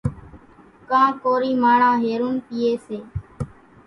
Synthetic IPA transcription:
kãːkoːɾiːmaːɳãːɦeːɾuːnpiːeːseː

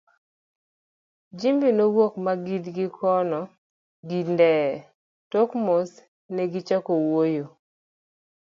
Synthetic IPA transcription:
d͡ʒimbinowokmaɡidɡɪkʰɔnɔ | ɡindɛ | tokmos | nɛɡit͡ʃakowojo

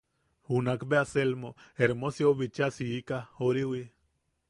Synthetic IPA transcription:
hunakbeaselmoeɾmosjoβit͡ʃasiːkahoɾiwi

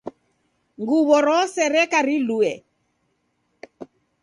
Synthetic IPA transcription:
ŋɡuβɔɾɔsɛɾɛkaɾiluɛ

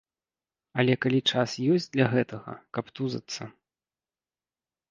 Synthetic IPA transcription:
ɐlʲɛkalʲit͡ʂasjɔsʲd͡zʲd̪lʲɐɣɛt̪ɐɣɐ̰kɐpt̪uzɐ̰t̪sːɐ

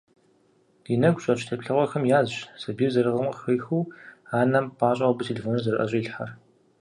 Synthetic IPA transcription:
d̥iːnɐɡʷɕʼɐt͡ʃʰtʰɐpɬɨʁʷɔxɐmjaːzɕsɐbiːrzɐɾɨʁəmxɐjxuwaːnɐmpʰaːɕʼɐʁɐbɨtʰelefoːnɐzɐɾɨʔɐ̰ɕʼɐiːɬħa̰r

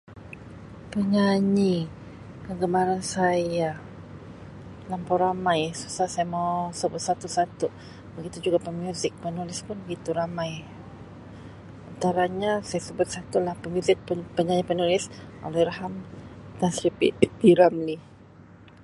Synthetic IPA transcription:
pəɲaɲi | kəɡəmaɾansaja | lampawɾamajsu̥sahsajamawsəbʊt̪̚sat̪usat̪u | bəɡit̪ud͡ʒuɡapəmjuzɪk̚pənulɪspʊnbəɡit̪uɾamaj | ant̪aɾaɲasajasəbʊt̪̚sat̪ulahpəmjuzɪk̚pəɲaɲipənulɪsʔo̰lɛɾahamd̪ansɾipḭpiɾamli

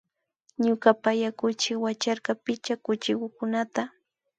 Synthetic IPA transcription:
ɲʊkapajakʊt͡ʃɪkwat͡ʃaɾkɑpɪt͡ʃakʊt͡ʃɪkʊkʊnat̪a

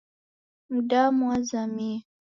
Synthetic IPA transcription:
mudamuazami

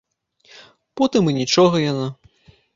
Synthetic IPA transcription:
pɔt̪ɨmɨnʲit͡ʂɔɣɐjana

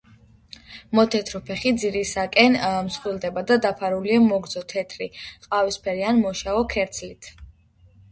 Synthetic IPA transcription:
mɔt̪ʰɛt̪ʰɾɔpʰɛχid̪ziɾisakʼɛnmsχwilˠd̪ɛbad̪ad̪apʰaɾuliamɔɡd̪zɔt̪ʰɛt̪ʰɾiqʼavispʰɛɾianmɔʃaɔkʰɛɾt̪sʰlit̪ʰ

